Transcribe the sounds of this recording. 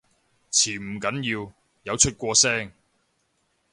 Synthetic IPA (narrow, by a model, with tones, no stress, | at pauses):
t͡sʰiː˨˩m̩˨˩kɐ˨˥njiː˧w | jɐ˨˧wt͡ʃʰɵ˥t̚kʷɔː˧sɛː˥ŋ